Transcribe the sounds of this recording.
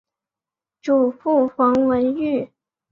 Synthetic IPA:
ʈ͡ʂu˨˩fu˥˩fɑ˧˥ŋwə˧˥ny˥˩

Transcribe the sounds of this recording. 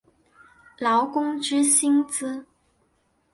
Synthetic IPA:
lɑ˧˥ʊkʊ˥ŋʈ͡ʂɻ̩˥ɕi˥ŋt͡sɹ̩˥

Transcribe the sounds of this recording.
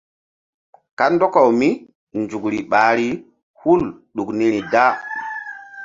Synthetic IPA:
ka˦ndɔ˦ka˨wmi˦ | nd͡ʒu˨kɾi˨ɓa˨ɾi˦ | hu˦lɗu˨kni˦ɾi˨da˦

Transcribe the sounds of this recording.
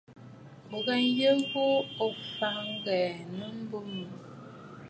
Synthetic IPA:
o˨ɡɛ˦n˦jə˦bo˦o˨fa˨ŋ˦ɡɛ˨nə˦m̩˦bo˦mə˨

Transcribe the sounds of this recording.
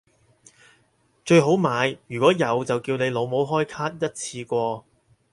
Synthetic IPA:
t͡ʃɵ˧ɥɦo˨˥wmaː˨˧jjyː˨˩kʷɔː˨˥jɐ˨˧wt͡sɐ˨wkiː˧wne˨˧jlo˨˧wmo˨˥wɦɔː˥jkʰaː˥t̚jɐ˥t̚t͡sʰiː˧kʷɔː˧

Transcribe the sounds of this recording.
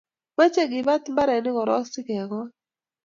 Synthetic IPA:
ma˦t͡ʃe˦ɡɪ˨ba˦t̪ma˦ɾɛ˨nɪ˦kɔ˨ɾɔ˦sɪ˦kɛ˨ɡɔ˦

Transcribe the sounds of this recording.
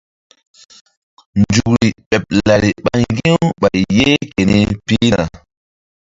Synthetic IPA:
nd͡ʒu˨k̚ɾi˨ɓe˨p̚la˨ɾi˨ɓa˦nŋɡĩ˦wɓa˨jːe˦ke˨ni˦piː˦na˨

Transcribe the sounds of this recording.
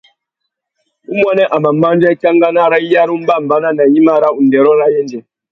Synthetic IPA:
ʔu˦m˦o˦ne˦ʔa˨ma˨mːa˦n˦d͡ʒe˦kʲa˦ŋɡa˦na˦ɾa˦a˦ɾu˦m˦ba˦˨m˨ba˦na˦na˨ji˦ma˦˨ɾa˦ʔu˨nde˨ɾo˦ɾa˦jɛ˦n˦d͡ʒe˨

